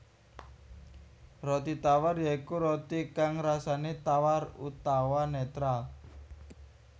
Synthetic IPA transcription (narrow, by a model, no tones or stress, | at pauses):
rɔt̪it̪awarjaikuɾɔt̪ikaŋɾasanet̪awarṵt̪awanet̪ɾal